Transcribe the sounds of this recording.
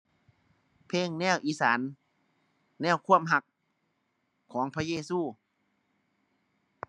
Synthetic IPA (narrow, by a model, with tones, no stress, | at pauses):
pʰeː˧˥˨ŋnɛː˧˥˩wʔiː˧˥˨saː˩˦n | ɛː˥˩wkʰu˧˥˩əmɦa˧k̚ | ɔː˩˦ŋpʰaː˧jeː˧˥˨suː˧˩